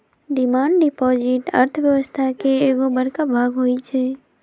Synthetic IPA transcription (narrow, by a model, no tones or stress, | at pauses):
ɖɪmaːɳɖɖɪpɔːd͡ʒɪʈə̰ɾt̪ʰəʋjəʋəst̪ʰakeeːɡobəɽkabʱaːɡɦojt͡ʃʰeː